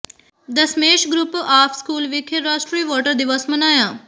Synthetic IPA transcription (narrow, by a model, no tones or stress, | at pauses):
d̪əsmeːʃɡɾʊpaːpʰskuːlʋɪkʰeɾaːʃʈɾiːʋɔːʈəɾd̪ɪʋəsmənaːjaː